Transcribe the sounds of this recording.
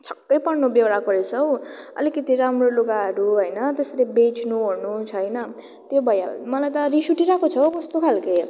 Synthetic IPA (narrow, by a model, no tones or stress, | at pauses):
t͡sʰʌkːʌjpʌrnobjewɾakʌɾet͡sʰʌwʌ̰likʌt̪iɾamroluɡaɦʌɾuɦʌjnʌt̪eslebet͡snuɦornut͡sʰʌjnʌ | t̪jobʱʌja̰mʌlajt̪ʌɾisuʈiɾakot͡sʰʌkʌst̪okʰalkʌj